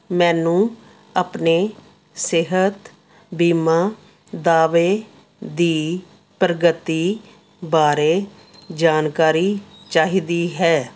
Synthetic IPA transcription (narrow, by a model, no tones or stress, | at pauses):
mɛ̃ːnũː | apneː | sɪɦət̪ | biːmaː | d̪aːʋeː | d̪iː | pɾəɡət̪ːiː | baːɾeː | d͡ʒaːnkaːɾiːt͡ʃaːɦiːd̪iːɦɛː